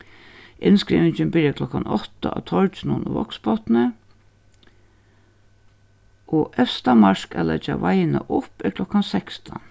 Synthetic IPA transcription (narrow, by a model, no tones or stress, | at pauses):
ʔɪnskɾiːʋɪnɲt͡ʃɪnbɪɾjakʰlɔkanɔt̪aat̪ʰɔlt͡ʃnʊnʊʋɔ̰kspɔt̪nə | ʔɔʔɛfst̪amaʂkalɛt͡ʃaʋajnaʔʊpɪklɔkansɛkst̪ʰa